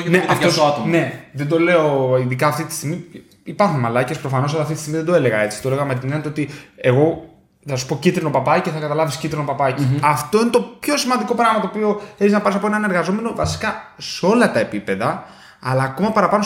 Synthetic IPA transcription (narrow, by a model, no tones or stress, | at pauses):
neʔɐft̪ost̪ne̞ðed̪ole̞oinðikɐːft̪it̪i̥st̪iɣmi | ipɐɾxunmɐlɐcespɾo̞fɐno̞s̬ɐlɐft̪it̪ist̪iɣmiðed̪oe̞le̞ɣɐe̞t͡si̥t̪oleɣɐmet̪̬ineɐnt̪ot̪ie̞ɣo̞ | θɐsu̥pocit̪ɾino̞pɐpɐceθɐkɐt̪ɐlɐviscit̪ɾino̞pɐpɐciɐft̪o̞inet̪o̞pço̞simɐnd̪iko̞pɾɐɣmɐt̪opio̞eçiznɐpɐɾs̬ɐpo̞enɐne̞ɾɣɐzo̞me̞no̞vɐsi̥kɐseo̞lɐt̪ɐe̞pipe̞ðɐː | lɐːkomɐpɐɾɐpɐno̞